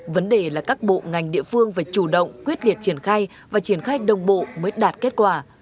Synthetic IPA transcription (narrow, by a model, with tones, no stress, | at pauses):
və˨˦nɗe˨˩laː˨˩kaː˦˥k̚ɓo̰˧˨ŋa˨˩jŋ̟ɗḭ˧˨əfɨ˧əŋvaː˨˩t͡ɕu˧˩ɗə̰˧˨wŋ͡mkwi˦˥ət̚li˨˩ət̚t͡ɕi˧˩ənxaː˧j | vaː˨˩t͡ɕi˧˩ənxaː˧jɗə˨˩wŋ͡mɓo̰˧˨məː˨˦jɗaː˨˩t̚ke˦˥t̚kwaː˧˩